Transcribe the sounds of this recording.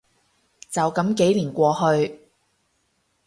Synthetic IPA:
t͡sɐ˨wkɐ˨˥mke˨˥jliː˨˩nkʷɔː˧ɦɵ˧ɥ

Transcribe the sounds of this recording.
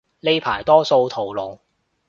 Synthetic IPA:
le˥jpʰa̰ː˨˩jt̪ɔː˥so˧wt̪ʰo˨˩wlo˨˧w

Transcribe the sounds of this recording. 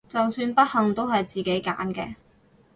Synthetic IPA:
t͡sɐ˨wsyː˧npɐ˥t̚hɐ˨ŋt̪o˥whɐ˨jt͡siː˨˩ke˨˥jka̰ː˨˥nkɛ̰ː˧

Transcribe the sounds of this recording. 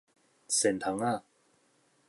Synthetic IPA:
se˨˩nt̪ʰa˨˦ŋa˥˩˨

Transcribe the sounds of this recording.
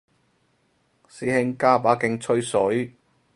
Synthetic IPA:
siː˨˧hɪ˧ŋkaː˥paː˨˥kɪ˧ŋt͡sʰɵ˥ɥsɵ˨˥ɥ

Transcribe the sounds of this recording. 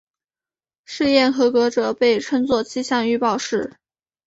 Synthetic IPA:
ʂɻ̩˥˧jɛ˥˩nxɤ˧˥kɤ˧˥ʈ͡ʂɤ˨˩˦pe˥˩ɪʈ͡ʂʰə˥ŋt͡swɔ˥˩t͡ɕʰi˥ɕjɑ˥˧ŋy˥˧pɑ˥˧ʊʂɻ̩˥˩

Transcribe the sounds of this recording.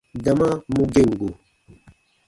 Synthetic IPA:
da˨ma˦mu˦ɡe˦˨ŋ˨ɡu˨

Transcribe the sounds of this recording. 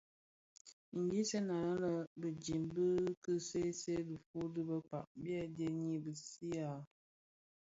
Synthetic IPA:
ɡi˦se˦na˨˦lə˨bə˨d͡ʒi˨mbə˦kɨ˦se˦se˦dɨ˨fu˦dɨ˦bə˦k͡pa˨ʔbja˦de˦ɲi˦bə˨si˦a˨

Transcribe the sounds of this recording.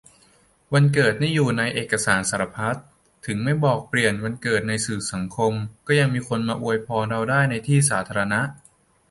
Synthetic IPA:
wa˧nkɤː˨˩t̪̚na˥˩jːuː˨˩na˧jʔeː˨˩kːa˧saː˩˦nsaː˩˦ɾa˧pʰa˦˥t̪̚ʰː | ɯ˩˦ŋma˥˩jbɔː˨˩k̚pli˨˩ənwa˧nkɤː˨˩t̪̚na˧jsɯː˨˩sa˩˦ŋkʰo˧mkɔː˥˩ja˧ŋmiː˧kʰo˧nmaː˧ʔu˧əjpʰɔː˧ɾa˧wdaː˥˩jna˧jt̪ʰiː˥˩s̬aː˩˦t̪ʰaː˧ɾa˧na˦˥ʔ

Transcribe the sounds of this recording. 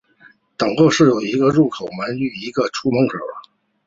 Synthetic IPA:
t̪ɤ˨˩ŋkɤ˥˧ʂɻ̩˥˩jo˨˩ʊi˧˥ɡə˧ɻu˥˩kʰo˨˩ʊmə˧˥ny˥˩i˧˥ɡə˧ʈ͡ʂʰu˥mɤ˧˥ŋkʰɤ˨˩

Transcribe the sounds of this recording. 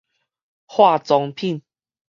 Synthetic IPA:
hwa˥˧t͡sɔ˧ŋpʰi˥˨n

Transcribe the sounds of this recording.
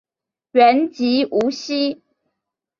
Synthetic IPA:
ɥɛ˨˦nt͡ɕi˨˥ʔu˨˥ɕi˥

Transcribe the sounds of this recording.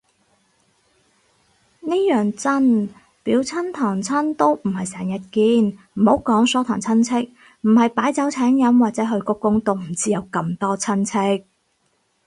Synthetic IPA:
niː˥jœː˨ŋt͡sɐ˥n | piː˨˥wt͡sʰɐ˥nt̪ʰɔː˨˩ŋt͡sʰɐ˥nt̪o˥wm̩˨˩hɐ˨jsɛː˨˩ŋjɐ˧t̚kiː˧nm̩˨˩ho˨˥wkɔː˨˥ŋsɔː˨˥t̪ʰɔ̰ː˨˩ŋt͡sʰɐ˥nt͡sʰɪ˥k̚ | m̩˨˩hɐ˨jpaː˨˥jt͡sɐ˨˥wt͡sʰɛː˨˥ŋjɐ˨˥mwaː˨k̚t͡sɛː˨˥ɦɵ˧ɥkʊ˧˥kːʊ˥ŋt̪o˥˧wm̩˨˩t͡siː˥jɐ˨˧wkɐ˧mt̪ɔː˥t͡sʰɐ˥nt͡sʰɪ˥k̚

